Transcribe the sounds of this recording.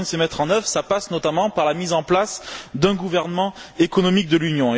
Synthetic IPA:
əsəmɛt̪χɑ̃nœvʁsapasnɔt̪amɑ̃paʁlamizɑ̃plasd̪ɛ̃ɡuvɛʁnəmɑ̃ekɔnɔmik̚d̪əlynjɔ̃

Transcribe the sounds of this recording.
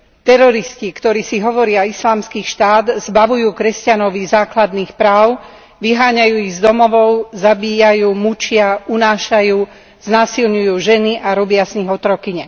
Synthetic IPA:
t̪ɛɾɔɾiscikt̪ɔɾiːsiɦɔʋɔɾɪaislaːmskiːʃt̪aːd̪zbaʋujuːkɾɛscanɔʋizaːklad̪niːxpɾaːʊ | ʋiɦaːɲajuːiɣzd̪ɔmɔʋɔʊzabiːjajuːmut͡ʃɪaunaːʃajuː | z̥naːsilɲujuːʒɛniʔaɾɔbɪazɲiɦɔt̪ɾɔkiɲɛ

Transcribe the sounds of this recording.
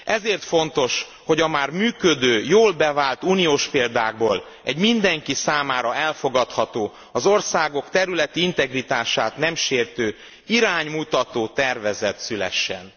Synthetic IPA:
ʔɛzeːrt̪fo̞n̪t̪o̞ʃ | ho̞ɟɒmaːrmyːkø̞d̪øːjoːlbɛvaːlt̪uːnijoːʃpeːld̪aːɡ̚boːl | ɛɟmind̪ɛŋkisaːmaːɾɒɛlfo̞ɡɒt̪hɒt̪oː | ɒzo̞rsaːɡo̞kt̪ɛɾylɛt̪iint̪ɛɡrit̪aːʃaːt̪nɛmʃeːrt̪øː | iɾaːɲmut̪ɒt̪oːt̪ɛrvɛzɛt̪sylɛ̰ʃːɛ̰n

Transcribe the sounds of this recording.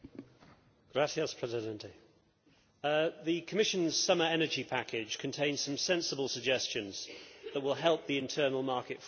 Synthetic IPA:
ɡ̥ɹasiəspʰɹ̥ɛzɪdɛ̃ntʰɪ | ðəkʰəmɪʃə̃nz̥sʌməɹɛnəd͡ʒipʰakɪd̥ʒ̥kʰə̃ntʰẽɪ̃nz̥sə̃msɛ̃nsəbəlˠsəɡd͡ʒɛst͡ʃə̃nz̥ðəʔwɪlˠɦɛlˠp̚ðiɪ̃ntʰɜːnəlˠmɑˑkɪtf

